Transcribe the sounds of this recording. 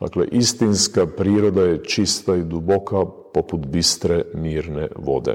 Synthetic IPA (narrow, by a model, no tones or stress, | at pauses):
d̪a̰klḛʔist̪inskapɾiːɾod̪ajet͡ʃist̪aid̪ubokapoput̪bist̪ɾeniːɾnḛʋo̞̰d̪ḛ